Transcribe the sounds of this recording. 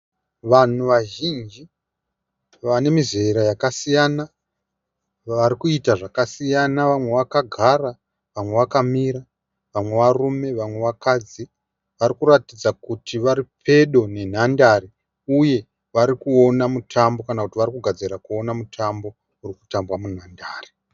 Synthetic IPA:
ʋan̤uʋaʒind͡ʒi | ʋane̞mizeɾajakasijana | ʋaɾikuitaʐakasijanaʋamwe̞ʋakaɡʱara | ʋamwe̞ʋakamiɾa | ʋamwe̞ʋarume̞ʋamwe̞ʋakad͡zi | ʋaɾikuratid͡zakutʰiʋaɾipʰe̞ɗo̞ne̞n̤andaɾi | uje̞ | ʋaɾikuo̞namutʰambo̞kanakutiʋaɾikuɡʱad͡ziɾakuo̞namutʰambo̞ | urikutambwamun̤andaːri

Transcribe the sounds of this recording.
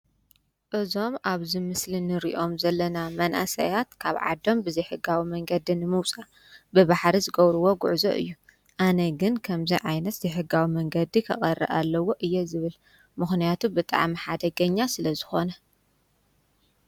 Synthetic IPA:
ʔɨzo̞mʔaβzimɨslinɨɾḭʔo̞mzɐlːɐnamɐnʔa̰sɐ̰jat̪kʰaβʕa̰d̪o̞mbɨzɐjħɨɡawimɐŋɡɐd̪inɨmɨwt͡sʼa | bɨβaħɾizɨɡɐβɾɨwo̞ɡṵʕzo̰ʔɨ̰jːu | ʔanɐɡɨnkʰɐmzijʕajnɐt̪z̥ɐjħɨɡːawimɐŋɡɐd̪ikʰɐ̰χʼɐrːɐ̰ʔalːɐwo̞ʔɨjːɛzɨβɨl | mɨxnijat̪ʰubɨt̪ʼa̰ʕmiħad̪ɐɡɐɲːasɨlɐzɨxo̞nɐ

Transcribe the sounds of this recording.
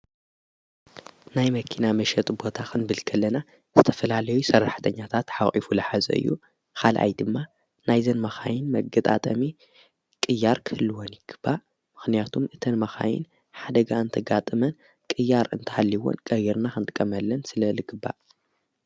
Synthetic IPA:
najmɐkʰinamɐʃɛt̪ʼbo̞t̪ʰaxʰɨnbɨlkʰɐlːɐna | z̥ɨt̪ʰɐfɐlalɐjusɐrːaħt̪ʰɐɲːat̪ʰat̪ħaʔʼifulɐħazɐ̰ʔɨ̰jːṵ | kʰalʔa̰jd̪ɨmːa | najzɐnmɐxajɪnmɐɡɐt̪ʼa̰t̪ʼɐmi | kʼɨjːaɾkʰɨhɨlːɨwonjɨɡ̥ɨbːaʔ | mɨxnijat̪ʰumʔɨt̪ʰɐnmɐxa̰jɪ̰n | ħad̪ɐɡaɨnt̪ʰɐɡat̪ʼɨmɐn | kʼɨjːaɾɨnt̪ʰɐ̥halːiwo̰nkʼɐjiɾnaxɨnt̪ʼɨkʼːɐmɐlːɐnsɨlɐlɨɡɨbːa̰ʔ

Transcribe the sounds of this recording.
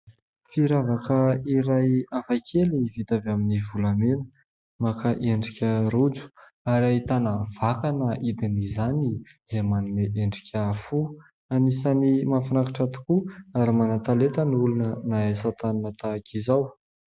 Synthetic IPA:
fiɾavakəiɾajafakʰelivit̪avaminivulamenə̥ | makaʔeɳɖ͡ʐikʲəɾud͡zu̥ | aɾait̪anav̥akanəʔid̪inizani | z̥emanineʔeɳɖ͡ʐi̥kʲəːfu | anisanimafinakaʈ͡ʂat̪u̥kuaɾimanat̪alet̪əniulunənaesat̪aninət̪aːkʰizaw

